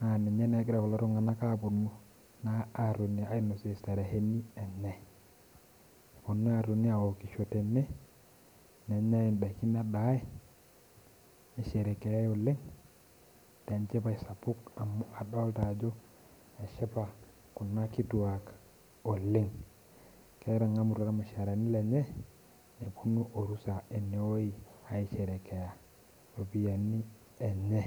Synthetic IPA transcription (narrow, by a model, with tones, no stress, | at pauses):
na˨nɛ˨ɲɛ˦nɛ˨˦ɡɪ˦ɾa˨kɔ˨lɔ˦ɾɔ˦ŋa˨na˦ka˦˨pʊ˨nu˦ | naː˦˨ɾu˨ni˨a˨˦i˦no˨se˦˨sta˨ɾa˨he˦ni˦a˨ɲa˨ | po˨nu˦a˨ɾu˨ni˦a˨wo˨ki˨ʃo˨tɛ˨mɛ˦ | nɛ˨ɲa˦i˨nba˨ki˦n˦a˦ɗa˨˦e˦ | e˨ʃe˨ɾe˨kɛ˨ja˦jo˨le˦ŋ | te˨nt͡ʃe˦pa˦i˨sa˨pʊ˦ka˨ma˨ɗɔ˦lta˨d͡ʒo˦ | e˨ʃɛ˦pa˨ | ku˨na˦ki˦tu˨a˨k | o˨lɪ˦ŋ | kɛ˦ɾa˨ŋa˦mu˨ɾa˦ka˦me˨ʃa˨ɾa˨ni˦lɛ˨ɲɛ˦ | ne˨pu˦nu˦ʔo˨ɾu˦sa˨e˨ne˨o˦i˨a˨i˦ʃɛ˨ɾɛ˨ke˨ja˨ | o˨pi˦ja˨ni˦ | ɛ˨ɲɛ˦